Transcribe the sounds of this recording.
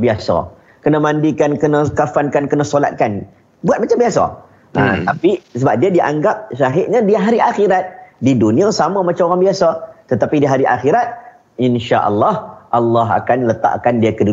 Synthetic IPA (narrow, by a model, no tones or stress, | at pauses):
biasa̰ | kənamãndikankənãkafankankənasola̰t̪̚kan | buat̪̚mat͡ʃambiasa̰ | ʔət̪apisəbap̚diadiʔa̰ŋɡap̚ʃaɦɪʔɲãdiɦaɾiʔaxiɾat̪̚didunĩãsamãmat͡ʃamoɾaŋbiasat̪ət̪apidiɦaɾiʔa̰xiɾat̪̚ | inʃaʔɑ̰lːɑhʔalːɑɦa̰kanlət̪a̰ʔkandiakədu